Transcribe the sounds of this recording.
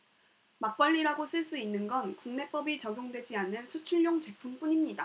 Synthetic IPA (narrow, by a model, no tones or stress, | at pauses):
mak̚p͈aʎːiɾaɡos͈ʰɯɭs͈uinːɯnɡʌnkuŋne̞p͈ʌbit͡ɕʌɡjoŋdwe̞d͡ʑianɯnsʰut͡ɕʰuɭːoŋt͡ɕe̞pʰump͈uɲimɲida